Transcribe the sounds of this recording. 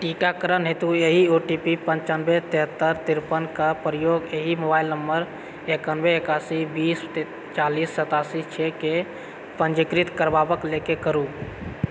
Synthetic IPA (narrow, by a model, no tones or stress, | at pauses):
ʈikakəɾənɦet̪ueɦioʈipipə̃ɲt͡ʃanbet̪eɦət̪ːəɾt̪iɾpənkapɾəjoːɡeɦimobaːilnəmbəɾ | ekənbeːkasibiːs | t͡ʃaːliːsːət̪asit͡ʃʰeke | pənd͡ʒikɾit̪kəɾbabəklekekəɾu